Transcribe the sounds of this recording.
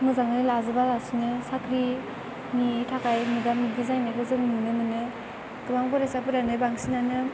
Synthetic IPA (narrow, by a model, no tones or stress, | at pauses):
mɯzaŋɯjlazɯbalasɯnɯsakʰɾi | mitʰakajmɯbamiɡizajnɯkɯzɯŋnɯnɯmɯnɯ | ɡ̥ɯmaŋpɔɾasapɯɾanɯbaŋsinanɯ